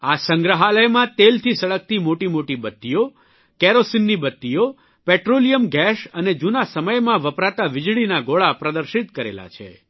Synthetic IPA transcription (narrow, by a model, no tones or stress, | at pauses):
asəŋɡɾəɦaləjmãt̪elt̪ʰisəɭək̚t̪imoʈimoʈibət̪ːijo | kɛɾosinːibət̪ːijo | pɛʈɾolijəmɡɛʃəned͡ʒunasəməjmãʋəpɾat̪aʋɪd͡ʒɭinaɡoɭapɾəd̪əɾʃit̪kəɾḛla̰t͡ʃʰḛ